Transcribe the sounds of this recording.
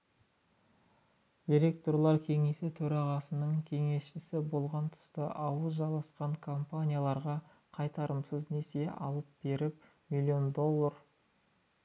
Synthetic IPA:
d̪iɾe̞k̚t̪oɾlˠɑɾkʲʰe̞ŋe̞sɪt̪ʰɵɾɑʁɑsənəɴkʲʰe̞ŋe̞sʃɪsɪbo̞lˠʁɑnt̪ʰʊ̥st̪əʔɑwəzʒɑlˠɑsqɑɴkʰo̞mpanʲijalˠɑɾʁɑ | qʰɑjt̪ɑɾəmsəzne̞se̞ʔɑ̰lˠəp̚b̥e̞ɾɪp | milʲio̞nd̪o̞lˠːər

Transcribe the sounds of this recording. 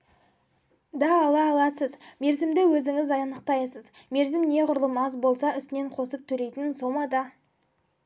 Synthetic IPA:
d̪ɑːlˠɑːlˠɑsəzme̞ɾzɪmd̪ɪwɵzɪŋɪzɑjɑnəq̚t̪ɑjsəzme̞ɾzɪmne̞qʊɾlˠəmɑzbo̞lˠsɑʏst̪ɪne̞ɴqʰo̞səp̚t̪ʰɵle̞jt̪ɪnso̞mɑd̪ɑ

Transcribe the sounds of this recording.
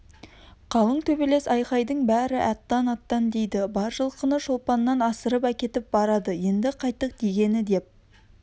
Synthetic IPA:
qʰɑlˠəɴt̪ʰɵbele̞sɑjqɑjd̪əɴbæɾɪʔæt̪ːɑnɑt̪ːɑnd̪e̞jd̪ɪbɑɾʒəlˠqʰənəʃo̞lˠpɑnːɑnɑsəɾəpækʲe̞t̪ɪp̚bɑɾɑd̪əje̞nd̪ɪqʰɑjt̪ːəq̚d̪eɡʲe̞nɪd̪e̞p̚

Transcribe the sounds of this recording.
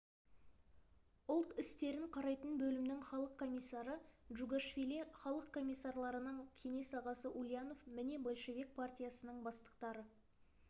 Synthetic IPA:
ʊlˠt̪ɪst̪e̞ɾɪɴqʰɑɾɑjt̪ənbɵlɪmnɪŋχɑlˠəqkʰo̞mʲijsːaɾəʒuɡaʃfʲilʲiχɑlˠəq̚kʰːo̞mʲijsːarlˠɑɾənəɴkʲʰe̞ne̞sɑʁɑsəʔulʲˠijano̞fmɪne̞bo̞lˠʃe̞vʲek̚pʰartʲijasənəɴbɑst̪ə̥q̚t̪ɑɾə

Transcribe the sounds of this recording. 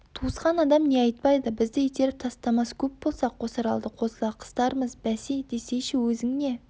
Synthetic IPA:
t̪ʰuəsqɑnɑd̪ɑmne̞ɑjt̪̚pɑjd̪əbɪzd̪ɪjet̪e̞ɾɪp̚t̪ʰɑst̪ɑmɑskʲʰɵp̚bo̞lˠsɑqwosɑɾɑ̰lˠd̪əqʰo̞səlˠɑqʰə̥st̪ɑɾəməzbæsijd̪e̞se̞ʃɪwɵzɪŋne̞

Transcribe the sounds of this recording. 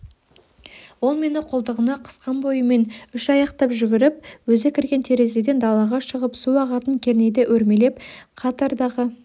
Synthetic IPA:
wo̞lˠme̞nɪqʰolˠd̪əʁənɑqʰə̥sqɑnbo̞jəme̞nʏʃɑjɑqt̪ɑpʒʏɡʲɪɾɪp̚wɵzekʲʰɪɾɡʲe̞nt̪ʰe̞ɾe̞ze̞d̪e̞nd̪ɑlˠɑʁɑʃəʁəpsuɑʁɑt̪əŋkʲʰe̞ɾne̞jd̪eʔɵɾme̞le̞pqʰɑt̪ɑɾd̪ɑʁə

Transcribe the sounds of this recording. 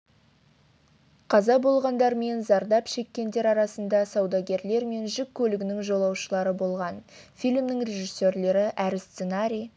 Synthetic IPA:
qʰɑzɑbo̞lˠʁɑnd̪ɑɾme̞nzɑɾd̪ɑpʃe̞kʲːe̞nd̪e̞ɾɑɾɑsənd̪ɑsɑwd̪ɑɡʲe̞ɾle̞ɾme̞nʒɪkʲʰːɵlɪɡʲɪnɪŋʒo̞lˠɑwʃəlˠɑɾəbo̞lˠʁɑnfijlmnɪŋrʲe̞ʒisːe̞ɾle̞ɾɪʔæɾɪst̪senaɾʲij

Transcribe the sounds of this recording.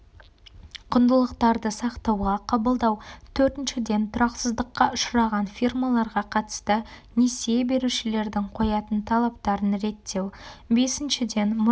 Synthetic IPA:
qʰʊnd̪əlˠəqt̪ɑɾd̪əsɑqt̪ɑwʁɑqʰɑbəlˠd̪ɑwt̪ʰɵɾt̪ɪnʃɪd̪e̞nt̪ʰʊɾɑqsəzd̪əqːɑʔʊʃɾɑʁɑnfirmalˠɑɾʁɑqʰɑt̪ə̥st̪ənesebe̞ɾuʃɪle̞ɾd̪ɪŋqʰo̞jɑt̪ənt̪ʰɑlˠɑp̚t̪ɑɾənɾe̞t̪ʰːe̞wbe̞sɪnʃɪd̪e̞nm

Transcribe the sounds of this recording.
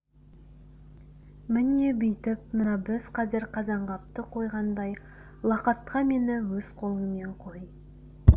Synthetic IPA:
mɪnebɪjt̪ɪp̚mənɑbɪzqʰɑzɪɾqʰɑzɑɴʁɑp̚t̪əqʰo̞jʁɑnd̪ɑj | lˠɑqɑt̪qʰɑme̞nɪwɵz̥qʰo̞lˠəŋme̞ɴqʰoj

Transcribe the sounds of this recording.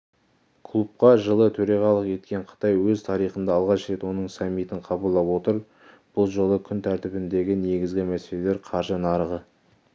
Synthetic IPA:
kʰlˠup̚qɑʒəlˠət̪ʰɵɾɑʁɑlˠəqje̞t̪kʲe̞ɴqʰə̥t̪ɑjwɵzt̪ʰɑɾiχənd̪ɑːlˠʁɑʃɾe̞t̪wo̞nəɴsɑmːit̪ɪɴqʰɑbəlˠːɑpwo̞t̪əɾ | b̥ʊlˠʒo̞lˠəkʲʰʏnt̪ʰæɾt̪ɪbɪnd̪e̞ɡʲɪne̞ɡʲɪzɡʲɪmæse̞le̞leɾqʰɑɾʒənɑɾəʁə

